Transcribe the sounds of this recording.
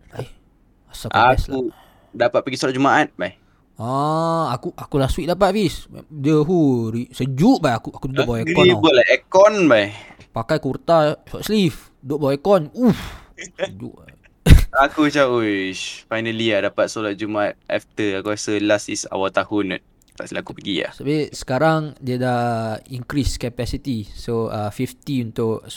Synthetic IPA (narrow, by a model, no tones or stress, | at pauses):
ai | asaʔkaslau | dapat̪̚pəɡisolat̚d͡ʒumaʔat̪̚baj | aakuʔakulaswiʔ̚dapat̪̚visdəɦuɾisəd͡ʒuʔbaakuʔakudədʔbaweɔibəlaɛkɔnbaj | pakajkurt̪asa̰ʔ̪slif | doʔbawekɔnuf | səd͡ʒṵʔ | akut͡ʃaʔofajnəliadapat̪̚solat̪̚d͡ʒumat̪̚ɛ̰ft̪əakuasəlasisa̰walt̪ahʊnṵt̪̚ | ta̰ʔsəlakupəɡia̰hsabiʔsə̥kaɾaŋdiədaiŋkɾiskɛpɛsit̪isoəfift̪iunt̪ʊʔ